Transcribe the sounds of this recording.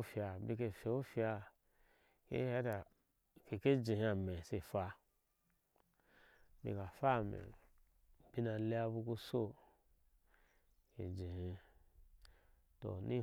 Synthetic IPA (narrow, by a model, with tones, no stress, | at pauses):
fi˧a˧bi˧ke˧fe˨u˦fi˧a˧ | kḛ˦he˦ta˨ | ke˨ke˦d͡ʒi˨hĩ˧a˨me˨se˧fa˧ | bḭ˧ka˨fa˦˨mḛ̃˨ | b̥i˧˦na˧le˧˦a˧bu˧ku˧so˦ | kḛ˨d͡ʒi˨hi˧ | to̰˨ni˦